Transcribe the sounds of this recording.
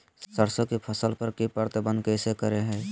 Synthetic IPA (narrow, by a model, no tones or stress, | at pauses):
səɾsõkipʰəsəlpəɾkipəɾt̪əbə̃nd̪kəɪsekəɾeɦɛ̃ː